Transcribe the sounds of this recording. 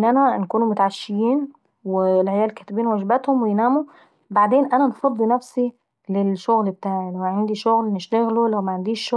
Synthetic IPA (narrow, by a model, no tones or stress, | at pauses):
nʔænænkuːnumʊt̪aʕaʃːejiːn | welʕejæːlkæːt̪ebiːnwæʒbæt̪homwejnæːmu | baʕd̪eːnʔænænfɑd̪ˤːinæfsi | lelʃoɣlbet̪aːʕilæwʕand̪iʃoɣlneʃt̪æɣlulæwmæʕand̪iːʃːo